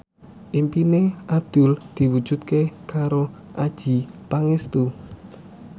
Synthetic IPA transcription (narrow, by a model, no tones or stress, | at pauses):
ʔimpineʔab̚d̪̥ṳld̪̥i̤wud̥ʒ̥ṳt̪̚kekaɾoʔad̥ʒ̥i̤paŋest̪u